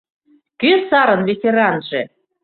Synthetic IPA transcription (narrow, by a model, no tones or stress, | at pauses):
køsɑɾɤ̆nvʲetʲeɾɑnʒe